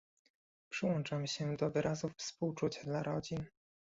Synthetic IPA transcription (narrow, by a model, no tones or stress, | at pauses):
pʂɘwɔnt͡ʂamɕɛd̪ɔvɘɾʔazufːspuwt͡ʂut͡ɕad̪laɾɔd͡ʑin